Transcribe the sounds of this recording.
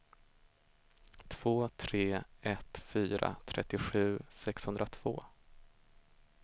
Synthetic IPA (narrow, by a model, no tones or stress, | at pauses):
t̪ʰv̥oːt̪ʰɾeːɛt̪fyːɾa̰t̪ʰɾɛt̪ːɪɧʉ̟ːsɛkshɵnd̪ɾat̪ʰv̥o̰ː